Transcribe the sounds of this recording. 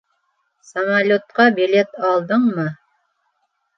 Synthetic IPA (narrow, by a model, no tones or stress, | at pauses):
samalʲot̪̚qɑbilʲet̪ɑlˠd̪ɤɴmɤ